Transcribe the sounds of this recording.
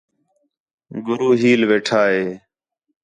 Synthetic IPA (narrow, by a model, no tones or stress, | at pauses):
ɡʊɾuːɦiːlʋeːʈʰaːɦeː